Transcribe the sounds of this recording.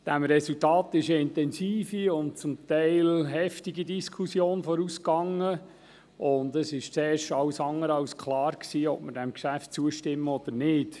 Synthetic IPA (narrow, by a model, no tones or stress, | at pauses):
d̥æmɾɛsultɑːt̪ɪʃəɪntɛnsiːfiʊnt̚t͡sʊmt̪ɛɪlɦɛftiɡidiskʰusjoːnfɔɾuskɑŋə | ʊndəsɪʃt͡sɛːɾʃɑwsɑŋːəɾɑwskʰlɑːɾksiːɔ̰p̚məɾdæmkʃæft̚t͡suəʃtɪmːəɔd̥̪əɾnɪːd̥